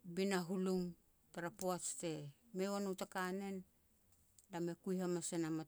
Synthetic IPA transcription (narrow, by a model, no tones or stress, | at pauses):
binaɦuluŋ | taɾapoaste̞ | mewanotakane̞n | lame̞kujɦamasenama